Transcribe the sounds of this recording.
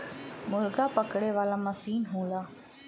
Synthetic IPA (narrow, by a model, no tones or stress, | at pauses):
mʊlɡapəkɽeʋaːlamasiːnɦũːlaː